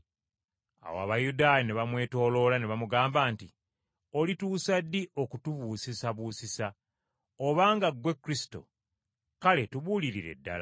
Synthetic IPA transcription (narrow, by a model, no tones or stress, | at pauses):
a̰woa̰βajudaːjaneβamwe̞ːto̞ːlo̞laneβamuɡaːmbaːnti | olituːsadːio̞kutuβuːsisaβuːsisa | oβaːŋɡaɡwe̞kːuɾisi̥to̞̰ | kale̞tuβuːliɾiɾe̞̰dːa̰la̰